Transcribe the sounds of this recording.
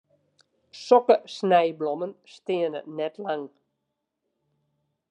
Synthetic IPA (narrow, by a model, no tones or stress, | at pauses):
sɔkəsnɛjblomənstɪənə̰nɛtlaŋ